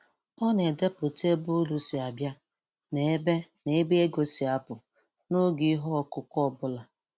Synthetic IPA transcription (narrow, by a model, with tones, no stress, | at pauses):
ɔ˦ne˨de˦pʊ˨te˦bʊ˦lu˨si˨a˨bja˦ | ne˨e˦be˦ne˨e˦be˦e˦ɡo˨si˨a˨pʊ˨ | no˦ɡi˦ɦɔ˦ɔ˨kʊ˦kɔ˦˨bʊ˦la˨